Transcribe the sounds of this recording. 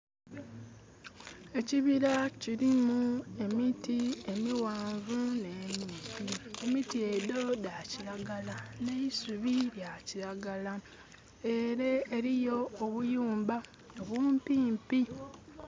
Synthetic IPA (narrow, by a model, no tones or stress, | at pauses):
e̞ciβiɾaciɾimue̞mitie̞miwaːɱvune̞mipiemitie̞do̞daciɾaɡalane̞isuβiɾjaciɾaɡala | eɾeːɾijo̞ːβujuːmba | oβuːmpiːmpi